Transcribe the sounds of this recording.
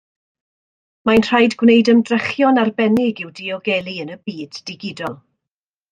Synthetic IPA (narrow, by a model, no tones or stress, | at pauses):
majnr̥ajdɡwnejdəmdrɛχjɔnarbɛnɪɡɪwdiɔɡɛlˠiənəbiːd̥ɪɡɪdɔlˠ